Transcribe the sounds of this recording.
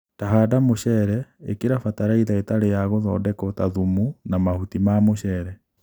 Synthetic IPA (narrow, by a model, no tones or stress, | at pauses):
taɦaːdamoɕɛɾɛekeɾafataɾaiðaetaɾejaɣoðɔːdɛkɔtaðumunamahutimamoɕɛɾɛ